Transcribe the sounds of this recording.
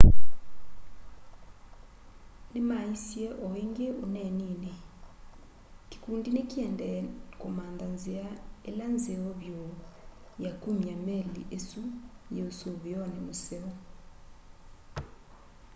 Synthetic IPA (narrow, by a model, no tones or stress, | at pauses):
nemaisiɛʔɔiŋɡeunɛniːne | ki̥kundinekiɛndɛkɔmand̪anziaeland͡zeɔβjo | jakumiameliʔesujeusoβijɔnɛmusɛɔ